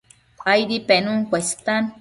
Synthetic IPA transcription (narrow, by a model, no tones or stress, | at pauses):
kajdipenuŋkʷest̪an